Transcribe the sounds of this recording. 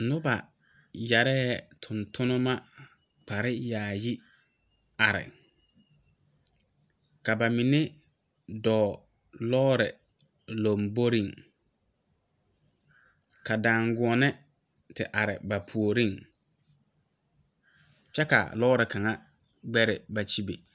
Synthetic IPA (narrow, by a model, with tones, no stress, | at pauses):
nʊ˦ba˨ | ja˨ɾɛː˦ɛ˦tʰʊ˨ntʰʊ˦nʊ˦ma˦ | k͡pa˨ɾɪ˦jaː˨ji˦ | a˨ɾɪ̰˨ | ka˨ba˨mi˨ne˦ | dɔː˨ | lɔː˦ɾɪ̰˨ | lo˨mbo˦ɾi˦˨ŋ | ka˨daː˨ŋɡʊ˨˦ɔ˨nɛ˦ | tɪ˨ʔa˨ɾɪ̰˨ba˨pʰu˨o˨ɾi˦ŋ | t͡ʃɛ˦ka̰˨lɔː˦ɾɪ˨ka˨ŋa˦ | ɡ͡bɛ˦ɾɪ˨ba˨t͡ʃi˦be˨